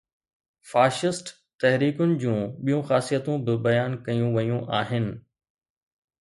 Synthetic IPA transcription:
faːʃɪsʈ | t̪ɛɦɾiːkʊnɪ̆d͡ʑũːɓijũxaːsijət̪ũbɪbɐjaːnkɐjũʋɐjũʔaːɦɪnɪ̆

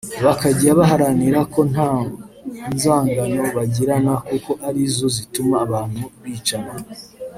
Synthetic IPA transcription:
βakaɟiɾaβaɦaɾaniɾako̞n̥a | nzaːŋɡano̞βaɟiɾanakuko̞ʔaɾizo̞zitumaːβaːn̥huβiːt͡ʃana

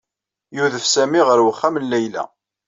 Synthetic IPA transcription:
juðəfsæmiʁəɾwəχːæmnlæjlæ̰

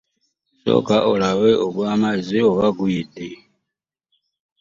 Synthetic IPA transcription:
so̰ːkaʔolawe̞ʔoβwaːmazio̞βaɡujide

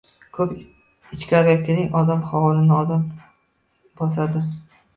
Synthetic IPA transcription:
kʰɵp | ɪt͡ʃkʲʰaɾɪɡʲakʲʰɪɾɪŋɒd̪amχɒwlˠɪnɪɒd̪am | bɒs̬ad̪ɪ

